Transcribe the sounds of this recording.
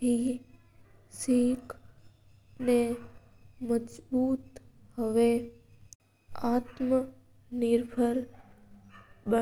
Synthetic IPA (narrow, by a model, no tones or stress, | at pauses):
ɦi | sikʰ | ne | məd͡ʒbuːt̪ | həʋe | aːt̪mə | nɪɾpʰəɾ | bə